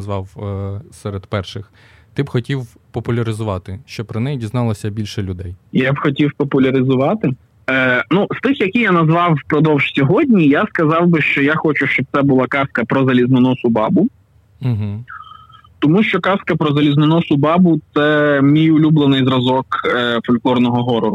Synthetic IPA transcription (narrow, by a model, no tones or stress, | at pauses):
zʋɑwsɛɾed̪pɛrʃɪx | t̪ɪbxɔtʲiw | pɔpʊlʲɐɾɪzʊʋɑt̪ɪʃt͡ʃɔpɾɔnɛjidʲiznɑlˠɐsʲɐbʲilʲʃɛlʲʊd̪ɛjjabxɔtʲiwpɔpʊlʲɐɾɪzʊʋɑt̪ɪ | nust̪ɪxjɐkʲijanɐzʋɑwpɾɔd̪ɔwʒ̥sʲɔɦɔdʲnʲijaskɐzɑwbɪʃt͡ʃɔjaxɔt͡ʃʊʃt͡ʃɔb̪̚sɛbʊlˠɑkɑskɐpɾɔzɐlʲizmɪnɔsʊbɑ̰bʊ | ɦ̩ | t̪ɔmuʃt͡ʃɔkɑskɐpɾɔzɐlʲizmɪnɔsʊbɑbʊt̪sɛmʲijʊlʲublˠenɪjzɾɐzɔkːfɔlʲklˠɔrnɔɦɔɦɔɾɔɾʊ